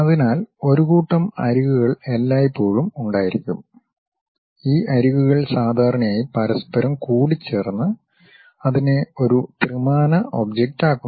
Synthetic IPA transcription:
ɐðinaːlo̞ɾuɣuːʈːɐmɐ̰ɾuɣuɣɐɭe̞lːaːjipːo̞ːɻumuɳɖaːjiɾikʲːum | iːʔɐɾuɣuɣɐɭsaːd̪ʱaːɾɐɳɐjaːjipɐɾɐspɐɾɐmkuːɽit͡ɕːe̞ːrnːɨ | ɐðine̞o̞ɾut̪rɨmaːnɐʔo̞bd͡ʑek̚taːkːu

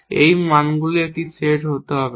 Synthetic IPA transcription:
ḛjmanɡuliek̚ʈiseʈɦot̪eɦɔbe

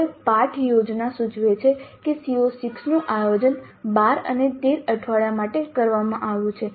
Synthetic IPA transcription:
paʈʰjod͡ʒnasud͡ʒʱʋet͡ʃʰekesiosiksnũʔajod͡ʒənbaɾə̰net̪eɾəʈʰʋaɭjamaʈekəɾʋamãʔaʋjũt͡ʃʰe

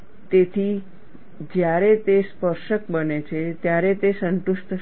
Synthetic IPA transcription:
t̪et̪ʰi | d͡ʒjaɾet̪espəɾʃəkbənet͡ʃʰet̪jaɾet̪esənʈ̪ust̪ʰə

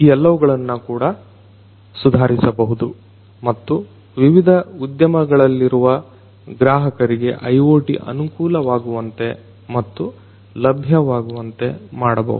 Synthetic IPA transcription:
iːɛlːɐʋuɡɐɭɐnːukuːɽɐ | sud̪ʱaːɾisɐbɐɦud̪u | mɐt̪ːu | ʋiʋid̪ʱɐud̪jɐmɐɡɐɭɐlːiɾuʋɐ | ɡɾaːɦɐkɐɾiɡe̞ʔɐjoːʈḭʔɐ̰nukuːlɐʋaːɡuʋɐnt̪e̞ | mɐt̪ːu | lɐbʱjɐʋaːɡuʋɐnt̪e̞̰maːɽɐbɐ̰ɦṵd̪u

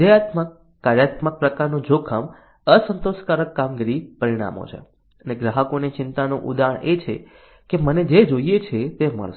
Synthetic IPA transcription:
d̪əjat̪məkː | aɾjat̪mək̚pɾəkaɾnũd͡ʒokʰəm | əsənt̪oʃkaɾəkːamɡiɾipəɾiɽ̃a̰mo̰t͡ʃʰḛ | əneɡɾaɦəkonet͡ʃɪnt̪anũʔud̪aɦəɳet͡ʃʰḛ | keməned͡ʒed͡ʒoijet͡ʃʰet̪emə̰ɭʃ

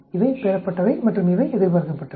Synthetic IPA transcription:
ɪʋɐɪpeːɾɐpːɐʈːɐʋɐɪmɐʈrɯmɪʋɐɪɛðɪɾʋɐɾɐnd̪ɐpːɐʈːɐ

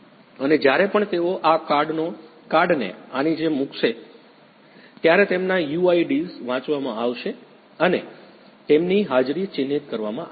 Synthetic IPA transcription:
əned͡ʒjaɾepəɳt̪eoʔakaɾɖno | kaɾɖnḛañid͡ʒemũkʃe | t̪jaɾet̪emnajuaiɖizʋãt͡ʃʋamãaʋʃe | əne | t̪emniɦad͡ʒɾit͡ʃɪnːit̪kəɾʋamã

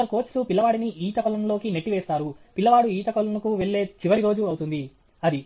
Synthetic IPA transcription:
ɐɾko̞ːt͡ʃʈupilːɐʋaːɽiniiːt̪ɐkɔlɐnlo̞ːkine̞ʈːiʋɛːst̪aːɾupilːɐʋaːɽuiːt̪ɐkɔlɐnɐkuʋeɭːeːt͡ʃiʋɐɽiɾo̞ːd͡ʒuɐwut̪und̪i | ɐd̪i

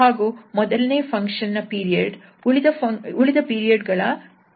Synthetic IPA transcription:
aːɡuːmɔd̪ɐlneːpʰɐŋkʂɐnːɐpiːɾijɐɖ | uɭid̪ɐpɐuɭid̪ɐpiːɾijɐɖɡɐɭɐ

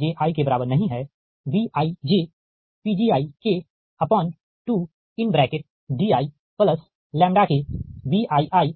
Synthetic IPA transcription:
d͡ʒeʔaːikebɐɾaːbəɾnɐɦĩɦɛː | ʋiːʔaːid͡ʒeː | piːd͡ʒiːaːike | ɐpɔ̃ːn | ʈu | ɪnbɾɛːkɪʈ̚ | ɖiːaːi | pləs | lɛ̃ːmɖakeʋiːʔaːiʔaːi

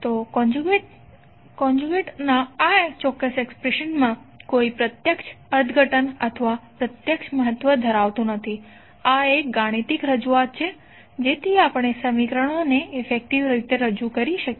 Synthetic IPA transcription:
t̪okɔ̃nd͡ʒuɡeʈ | kɔ̃nd͡ʒuɡeʈnaat͡ʃɔkːəsekspɾeʃənmã | koipɾət̪jəkʃəɾt̪ɡʱəʈənət̪ʰəʋapɾət̪jəkʃʰməɦət̪ʋəd̪ʱəɾaʋt̪ũnət̪ʰi | aek̚ɡaɽ̃it̪ikɾəd͡ʒuat̪̚t͡ʃʰe | d͡ʒet̪ʰiapəɽ̃esəmikɾəɽ̃oneːfek̚ʈiʋɾit̪eɾəd͡ʒukəɾiʃək

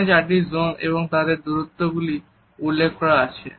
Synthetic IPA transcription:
t͡ɕaʈiɾzomḛβoŋt̪ad̪eɾd̪uɾut̪ːoɡuli | ulːekʰkɔɽaat͡ɕʰḛ

